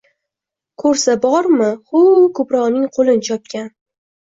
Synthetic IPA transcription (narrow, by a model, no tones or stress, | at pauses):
kʰɵɾsabɒɾmɪχʊkʰɵpɾɒʁnɪŋqʰolˠɪnɪt͡ʃʰɒp̚kʲan